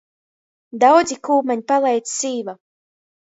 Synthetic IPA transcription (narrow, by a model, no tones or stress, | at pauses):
d̪awd̪zikuːmaɲpalˠɛjt̪ssiːva